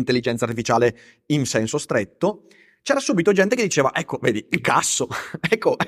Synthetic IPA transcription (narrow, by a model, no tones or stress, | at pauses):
nt̪elːid͡ʒɛnt̪saɾt̪ifit͡ʃaːle | insɛnsost̪ɾet̪ːo | t͡ʃɛːɾasuːbit̪od͡ʒɛnt̪ek̬ed̪ːit͡ʃeːva̰ʔɛkʰːoveːd̪iilkasːoɛkːo